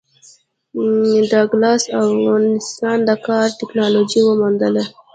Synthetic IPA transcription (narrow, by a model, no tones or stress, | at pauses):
ɖɑɡlɑsafɣɑnɪst̪ɑnd̪əkɑɾʈɪknɑlod͡ʒiwəmund̪əle